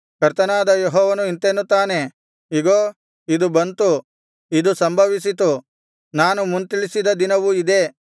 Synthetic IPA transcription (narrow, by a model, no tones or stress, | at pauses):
kɐɾt̪ɐnaːd̪ɐjeɦɔːʋɐnuint̪enːut̪aːne̞ | iɡoː | id̪ubɐnt̪u | id̪usɐmbʱɐʋis̬it̪u | naːnumunt̪iɭisid̪ɐd̪inɐʋuid̪e̞